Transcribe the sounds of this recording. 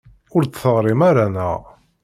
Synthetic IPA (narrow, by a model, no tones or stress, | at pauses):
ʊɾt͡sθəʁɾˤimaɾanə̰